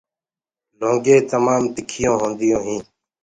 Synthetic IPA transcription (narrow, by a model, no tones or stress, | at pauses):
lõːŋɡeːt̪əmaːmt̪ɪkʰɪjõːɦõːnd̪ɪjõːɦĩː